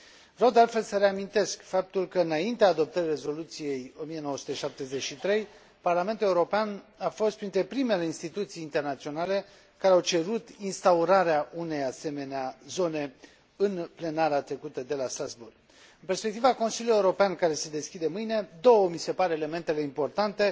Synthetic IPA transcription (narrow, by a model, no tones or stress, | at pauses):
vɾəwd̪ealt̪fe̞lsəɾeamint̪e̞skfap̚t̪ulkəɨnaint̪eaːd̪o̞p̚t̪əɾire̞zo̞lut̪sije̞jo̞mije̞noəsut̪əʃap̚t̪e̞ze̞t͡ʃʃit̪ɾe̞j | parlame̞nt̪uleuɾo̞peanafo̞st̪̚pɾint̪ɾe̞pɾime̞le̞inst̪it̪ut̪sijːnt̪e̞rnat̪sio̞nale̞ | kaɾeawt͡ʃe̞ɾut̪inst̪auɾaɾeaʔune̞jase̞me̞neazo̞ne̞ | ɨnple̞naɾat̪ɾe̞kut̪əd̪e̞last̪ɾazburɡ̥̚ | ɨnpe̞rspekt̪ivako̞nsiljuljeuɾo̞peankaɾe̞sed̪e̞skʲid̪emɨjne̞d̪o̞wəmise̞paɾeːle̞me̞nt̪e̞leimpo̞rt̪ant̪e̞